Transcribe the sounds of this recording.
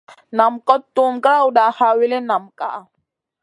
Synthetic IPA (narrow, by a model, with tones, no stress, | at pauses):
na˨mkɔ˦tːu˦mkɾa˦u˨da˨ha˨wi˦le˦na˨mka̰˨